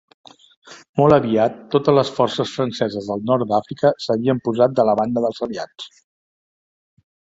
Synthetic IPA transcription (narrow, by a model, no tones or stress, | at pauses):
mɔlˠəβiat̪ːot̪əzləsfɔrsəsfɾənsɛzəzðəlˠnɔrt̪d̪afɾikəsəβiəmpuzat̪̚d̪ələβand̪əðəlˠzəliat͡s